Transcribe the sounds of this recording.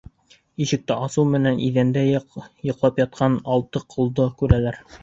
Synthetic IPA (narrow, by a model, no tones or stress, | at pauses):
iʃɘ̆k̚t̪æʔɑsɤwˠmɘ̆nænʔiðænd̪æjŏqlˠɑpjɑt̪̚qʰɑnɑlˠt̪ɤqʰŭlˠd̪ɤkʉɾælæɾ